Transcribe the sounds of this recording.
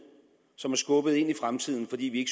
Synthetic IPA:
sɒ̽mæɐsɡ̥ɔ̽b̥əð̞̩ˠe̝n̰ifʁamt͡sʰið̞̰ˠn̩fɒ̽d̥ḭːʋie̝ɡ̥s

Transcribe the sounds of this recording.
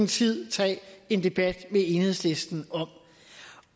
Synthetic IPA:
n̩t͡sʰið̰ˠt͡sʰɛ̰ːe̝nd̥e̝b̥æd̥mee̝nhḛsle̝sd̥n̩ɒ̽m̰

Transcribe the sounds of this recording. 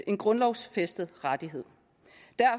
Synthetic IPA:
ʔe̝nɡ̥ʁɔ̽nlɒʊsfesd̥əð̩ˠʁad̥iɦe̝ð̰ˠ | d̥æɐ̰

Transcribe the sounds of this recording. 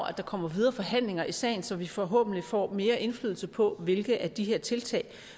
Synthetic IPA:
æd̥ɑ̈kʰɒ̽m̰ɐʋiðˠɐːfɒ̽ɦæn̰le̝ŋɐʔisɛ̰ɪnsɒ̽ʋifɒ̽ɦɔ̰̽ːb̥n̩lifɒ̰ːme̝ːɐʔe̝nflyːðˠl̩səpʰɒ̽ʋe̝lɡ̥ð̩ˠʔæɐd̥iɦeɐ̰t͡sʰe̝lt͡sʰɛ̰ɪ

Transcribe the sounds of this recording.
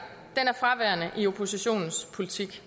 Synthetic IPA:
d̥enæɐfʁɑ̈ʋæɐnəʔio̝pʰo̝siɕo̝̰ːnn̩spʰo̝lit͡sʰiɡ̥

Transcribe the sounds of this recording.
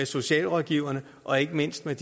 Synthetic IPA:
eso̝ɕɛ̰ːlʁɒ̽ðˠɡ̥iʊ̰ɐnə | ʔɒ̽e̝ɡ̥əme̝n̰sd̥med̥

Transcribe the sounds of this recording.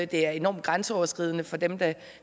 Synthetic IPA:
d̥e̝æɐe̝nɒ̰ːmd̥ɡ̥ʁɑ̈nsəɒʊɐsɡ̥ʁið̰ˠənəfɒ̽d̥emd̥æ̈

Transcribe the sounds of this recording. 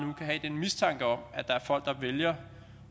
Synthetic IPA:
nukʰæɦɛd̥enmist͡sʰɑ̈ŋ̰ɡ̥əɒ̽mæd̥ɑ̈æɐfɒ̽l̰ɡ̥d̥ɑ̈ʋeljɐ

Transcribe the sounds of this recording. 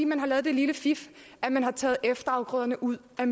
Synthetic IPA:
ḭːmænɦɑ̈lɛːð̞̩ˠd̥e̝liləfif | ʔæmænɦɑ̈t͡sʰɛ̰ːð̩ˠefd̥ɐɑ̈ʊɡ̥ʁɔ̽ð̰ˠɐnəʔuð̰ˠæm

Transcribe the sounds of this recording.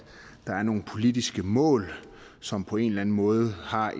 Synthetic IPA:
d̥ɑ̈æɐno̝ːn̩pʰo̝lid̥isɡ̥əmɔ̰̽ːl | sɒ̽mpʰɒ̽e̝nlæn̩mɔ̽ːð̞̩ˠhɑ̈

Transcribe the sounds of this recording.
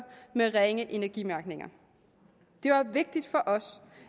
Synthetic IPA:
b̥meʁeŋəʔe̝næɐɡ̥imæɐɡ̥ne̝ŋɐ | d̥e̝ʋɑ̈ʋe̝ɡ̥̚d̥id̥fɒ̽ʔɒ̽s

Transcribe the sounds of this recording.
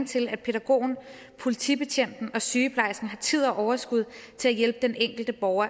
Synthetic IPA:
t͡sʰe̝læd̥̚pʰe̝ɾæɡ̥o̝̰ːn̩ | pʰo̝lit͡sʰḭb̥e̝ɕʰen̰d̥n̩ɒ̽syːəpʰlɑ̈ɪsn̩ɦɑ̈t͡sʰið̞̰ˠɒʔɒʊɐsɡ̥uð̞̰ˠt͡sʰe̝læjelb̥əd̥eneŋ̰ɡ̥l̩d̥əb̥ɒʊɐ

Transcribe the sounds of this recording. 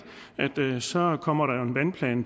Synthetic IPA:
ʔæd̥sɒ̽kʰɒ̽m̰ɐɾ̥ɑ̈jo̝e̝nʋænpʰlɛ̰ːn

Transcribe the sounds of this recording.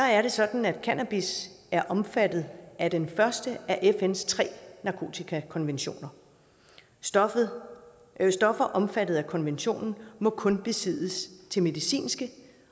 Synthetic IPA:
sɒæɐɾ̥e̝sɒ̽d̥n̩æd̥kʰænæb̥is | æɐʔɒ̽mfæd̥ð̞̩ˠæd̥enfɶɐsd̥əʔæʔefenst͡sʰʁɛ̰ːnɑ̈kʰo̝̰ːt͡sʰikʰækʰɒ̽nʋenɕo̝̰ːnɐ | sd̥ɒ̽fɐʔɒ̽mfæd̥ð̞̩ˠækʰɒ̽nʋenɕo̝̰ːnn̩mɒ̽kʰɔ̽nb̥e̝sið̰ˠəst͡sʰe̝lme̝ðˠisḭːnsɡ̥ə

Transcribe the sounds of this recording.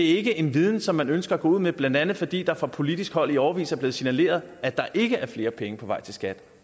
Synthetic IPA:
eæɐe̝ɡ̥əʔe̝nʋið̞ˠn̩sɒ̽mːænønsɡ̥ɐæɡ̥ɔ̰uð̰ˠmeblænd̥ænð̩ˠfɒ̽d̥ḭːd̥ɑ̈fɒ̽pʰo̝lid̥isɡ̥hɒ̽l̰iɒʊɐʋḭːsæɐble̝ːð̩ˠsinæle̝̰ːɐð̞ˠæd̥ɑ̈ʔe̝ɡ̥əʔæɐfle̝ːɐpʰeŋəpʰɒʋɑ̈ɪ̰t͡sʰe̝lsɡ̥æd̥

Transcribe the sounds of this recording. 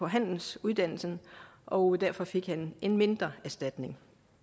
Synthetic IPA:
ɒ̽ɦæn̰n̩suð̞ˠd̥æn̰l̩sn̩ʔɒ̽d̥æɐ̰fɒ̽fe̝ɡ̥hæne̝nme̝nd̥ʁɐæɐsd̥æd̥ne̝ŋ

